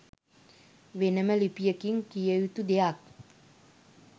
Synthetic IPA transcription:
ʋenəməlipijəkiŋkijəjut̪ud̪ejak̚

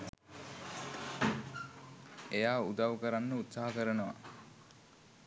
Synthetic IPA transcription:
ejaːud̪aʋəkəɾanːəut̪saɦakəɾənəʋa̰

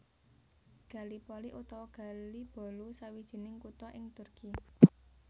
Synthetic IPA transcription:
ɡ̥ä̤lipɔliʔut̪ɔwɔɡ̥ä̤lib̥ɔ̤lusawid̥ʒ̥i̤nɪŋkut̪ɔʔɪŋt̪ʊrki

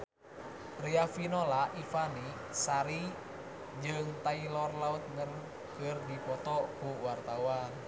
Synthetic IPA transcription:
riafinolaʔifani | saɾi | d͡ʒɨŋt̪ailɔrlaut̪̚ŋən | kɨrdipɔt̪ɔkuwart̪awan

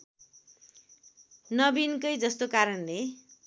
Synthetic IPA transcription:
nʌbinkʌjd͡zʌst̪okaɾʌnle

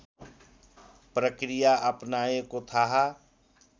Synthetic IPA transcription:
pɾəkɾijaʔɐpnaːekot̪ʰaɦa

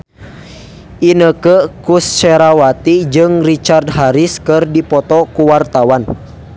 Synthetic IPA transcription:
ʔinəkəkust͡ʃɛɾawat̪id͡ʒɨŋrit͡ʃardɦaɾiskɨrdipɔt̪ɔkuwart̪awan

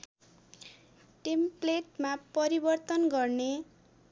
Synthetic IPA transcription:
ʈempleʈmapʌɾibʌrt̪ʌnɡʌrne

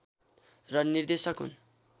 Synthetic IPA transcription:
rʌnird̪esʌkɦṵn

